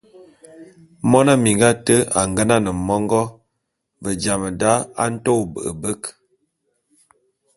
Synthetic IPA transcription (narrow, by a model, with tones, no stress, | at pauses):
mɔ˦na˦mi˨ŋɡa˦tə˦a˨ŋɡə˦na˦nə˨mɔ˦ŋɡɔ˦ | və˨d͡ʒa˨mə˨da˦a̰˦n̩˦to˦˨bə̰˨ʔə̰˨bə˦k